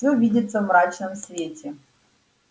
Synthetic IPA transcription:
ovʲidʲɪt̪səvmɾat͡ɕnəmsvʲetʲɪ

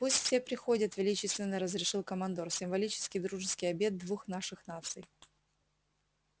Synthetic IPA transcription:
pusʲtʲfʲsʲepɾʲɪxo̞dʲət̪vʲɪlʲit͡ɕɪst̪vʲɪnːəɾəzɾʲɪʂɨlˠkəmɐnd̪orsʲɪmvɐlʲit͡ɕɪ̥skʲɪjd̪ɾuʐɨskʲɪjɐbʲe̞d̪̚d̪vuxnaʂɨxnat̪sɨj

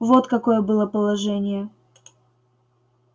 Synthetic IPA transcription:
vo̞t̪kɐko̞jəbɨlˠəpəlˠɐʐɛnʲɪjə

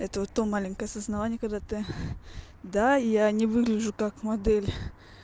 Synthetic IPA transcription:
ɛt̪əvot̪ːomalʲɪŋʲkəjəsəznɐvanʲɪjəkɐɡd̪at̪ɨ | d̪aijanʲɪvɨɡlʲɪʐʊkakmɐd̪ɛlʲ

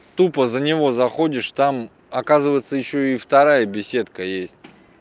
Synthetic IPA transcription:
t̪upəzənʲɪvo̞zɐxo̞dʲɪʂt̪am | ɐkazɨvəjɪt̪səjɪɕːoift̪ɐɾajəbʲɪsʲe̞t̪kəjesʲtʲ

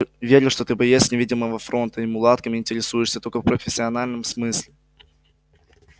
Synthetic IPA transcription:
vʲeɾʲɪlʂt̪o̞t̪ɨbɐjesʲnʲɪvʲidʲɪməvəfɾo̞nt̪əɪmʊlˠat̪kəmʲɪnʲtʲɪɾʲɪsujɪʂsʲət̪olʲkəfpɾəfʲɪsʲːɪɐnalʲnəmsmɨsʲlʲɪ

